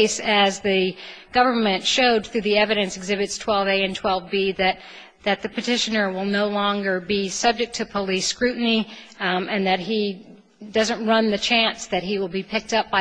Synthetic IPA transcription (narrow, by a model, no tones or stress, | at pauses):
ɪsɨzðɨɡ̥ʌvə˞mɨ̃ntʃoʊd̪̚θɹʉðiɛvɨɾɨ̃nsɨɡzɪbɨtstʰw̥ɛlˠveɪɨ̃ntʰw̥ɛlˠvbiðɨt̪̚ | ðɨt̪̚ðɨpɨtʰɪʃɨnə˞wɪlˠnoʊlɔ̃ŋɡə˞bisʌb̚d͡ʒɨk̚tʰɨpʰəliskɹʉʔn̩i | ɨ̃nðɨt̚ɦi | dʌzɨ̃nʔ̚ɹʌ̃nðɨt͡ʃʰæ̃nsðɨt̚ɦiwəlˠbipʰɪk̚tʌp̚b̥aɪ